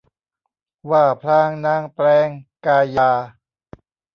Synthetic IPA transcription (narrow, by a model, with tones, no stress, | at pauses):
waː˧˩pʰlaː˧˥˩ŋnaː˧˥˩ŋplɛː˧ŋkaː˧jaː˧